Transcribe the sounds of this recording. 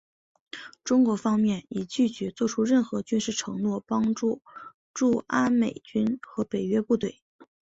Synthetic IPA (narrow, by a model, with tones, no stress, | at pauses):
ʈ͡ʂʊ˥ŋkwɔ˧˥fɑ˥ŋmjɛ˥˩ni˨˩t͡ɕy˥˩t͡ɕɥɛ˧˥t͡swɔ˥˩ʈ͡ʂʰu˥ɻə˥˩nxɤ˧˥t͡ɕy˥nʂɻ̩˥˩ʈ͡ʂʰɤ˧˥ŋnwɔ˥˩pɑ˥ŋʈ͡ʂu˥˩ | ʈ͡ʂu˥˩a˥nme˨˩ɪt͡ɕy˥nxɤ˧˥pe˨˩ɪɥɛ˥pu˥˧t̪we˥˩ɪ